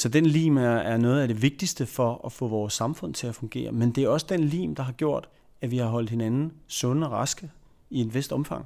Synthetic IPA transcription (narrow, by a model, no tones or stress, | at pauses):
sɒ̽d̥enlḭːmææɐnɔ̽ːð̞̩ˠæd̥e̝ʋe̝ɡ̥̚d̥isd̥əfɒɒfɔ̰̽ːʋɒːsːɑ̈mfɔ̽n̰t͡sʰe̝læfɔ̽ŋɡ̥e̝̰ːɐmend̥e̝æɐɒ̽səd̥enlḭːmd̥ɑ̈ɦɑ̈ɡ̥jo̝ɐ̰d̥ | æʋihɑ̈ɦɒ̽l̰d̥he̝nænn̩sɔ̽nəɒʁɑsɡ̥ə | ie̝dʋesd̥ɒ̽mfɑ̈ŋ̰